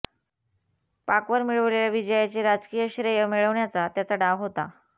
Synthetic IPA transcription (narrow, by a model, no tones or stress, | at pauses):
pakʋəɾmiɭəʋleɭjaʋid͡ʑəjat͡ɕeɾad͡zkijəɕɾəjəmiɭəʋɳjat͡sat̪jat͡saɖaʋɦot̪a̰